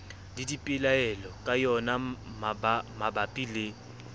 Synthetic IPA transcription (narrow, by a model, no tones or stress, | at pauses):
didipʼɪlaɛlɔkʼajɔnamamabapʼilɪ